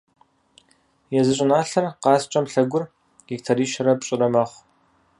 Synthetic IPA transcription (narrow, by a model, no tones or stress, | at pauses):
jɛzɨɕʼɪnaːɬɐrqɑːst͡ʃʼɐmɬɐɡʷʊr | ɡ̥ik̚tʰɐriːʃɐɾɐpɕʼɪrɐmɐχʷ